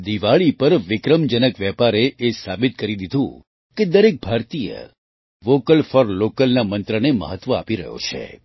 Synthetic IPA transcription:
d̪iʋaɭipəɾʋɪkɾəmd͡ʒənəkʋjɛpaɾeʔesabɪt̪̚kəɾid̪id̪ʱũ | ked̪əɾek̚bʱaɾt̪ijə̰ | ʋokəlfɔɾlokəlnamənt̪ɾənemə̰ɦət̪ʋəa̰piɾə̰ɦjo̰t͡ʃʰḛ

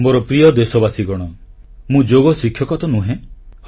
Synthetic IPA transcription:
moɾɔpɾijɔd̪esɔbasiɡɔɽ̃ɔmũd͡ʒoɡɔsikʰjɔkɔt̪ɔnũɦẽh

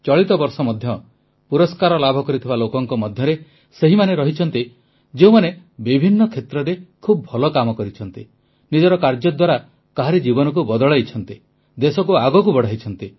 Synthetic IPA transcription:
t͡ʃɔɭit̪ɔbɔɾsɔmɔd̪ʱjɔ | puɾɔskaɾɔlabʱɔkɔɾit̪ʰibalokɔŋkɔmɔd̪ʱjɔɾe | seɦimaneɾɔɦit͡ʃʰɔnt̪i | d͡ʒeũmane | bibʱinːɔkʰet̪ɾɔɾekʰubɔbʱɔlɔkamɔkɔɾit͡ʃʰɔnt̪i | nid͡ʒɔɾɔkaɾd͡ʒɔd̪waɾa | kaɦaɾed͡ʒibɔnɔk̬ubɔd̪ɔɭajt͡ʃʰɔnt̪i | d̪esɔkuaɡɔkubɔɽ̤aɦit͡ʃʰɔnt̪i

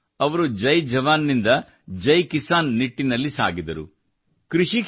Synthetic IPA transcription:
ɐʋɐɾud͡ʒɐjd͡ʒɐʋaːnːind̪ɐ | d͡ʒɐjkisaːnːiʈːinɐlːisa̰ːɡid̪ɐɾṵ | kɾiʂi

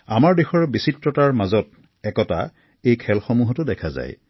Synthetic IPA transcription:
amaɹdexɔɹbisitɹɔtaɹmazɔt̚ | ɛkɔta̰ | ejkʰɛlxɔmuɦɔtʊdɛkʰaza̰j

